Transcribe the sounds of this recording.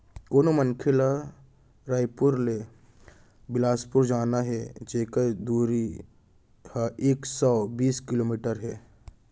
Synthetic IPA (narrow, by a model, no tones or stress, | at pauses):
koːnomənkʰɪla | ɾaːjpʊɾle | bɪlaːspʊɾd͡ʒaːnaɦɛd͡ʒeːkad̪uːɾi | haʔeːksɔːbiːskɪloːmiːʈəɾɦɛː